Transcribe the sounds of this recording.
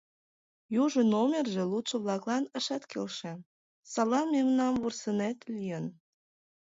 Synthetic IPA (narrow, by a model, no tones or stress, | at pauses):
juʒənomʲerʒelut̪ʃəβlɑklɑnəʃɑt̪kelʃĕ | sɑlɑmemnɑmβursənet̪lijən